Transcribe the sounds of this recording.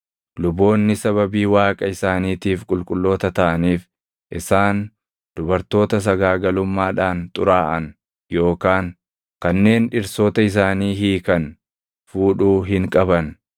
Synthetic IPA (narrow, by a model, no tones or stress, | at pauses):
lʊbo̞ːnːɪsɐβɐbiːwaːkʼɐɪsaːniːt̪iːfkʼʊlkʼʊlːo̞ːt̪ɐt̪ɐʔɐniːf | ʔɪsaːn | d̪̥ʊbɐɾt̪o̞ːt̪ɐs̬ɐɡaːɡɐlʊmːaːᶑaːnt̪ʼʊɾaːʔɐn | jo̞ːkaːŋ | kɐnːe̞ːnᶑɪɾso̞ːt̪ɐɪs̬aːniːɦiːkɐn | fuːᶑuːɦɪŋkʼɐbɐn